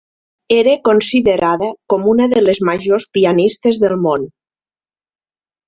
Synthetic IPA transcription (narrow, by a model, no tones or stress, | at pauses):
eɾekonsiðeɾaðəkomunəðelezmaʒospianist̪ezðəlˠmon